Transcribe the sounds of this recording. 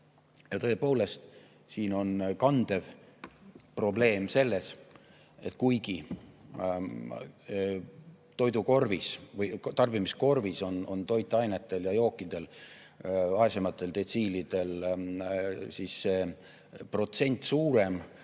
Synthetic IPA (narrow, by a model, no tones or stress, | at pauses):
jɑt̪ɤepo̞ːle̞st̪ | siːno̞nkɑnd̪̥e̞v | pro̞ble̞ːmse̞lːe̞s | e̞t̪kujɡ̥i | t̪o̞jd̪uko̞rvisvɤjt̪ɑrb̥imisko̞rviso̞no̞nt̪o̞jt̪ːˑɑjnet̪ːˑe̞ljɑjo̞ːkːˑid̪̥e̞l | ɑesemɑt̪ˑːe̞lt̪e̞t̪siːlid̪̥e̞l | sisːeː | pro̞t̪se̞nʲt̪ˑsuːɾe̞m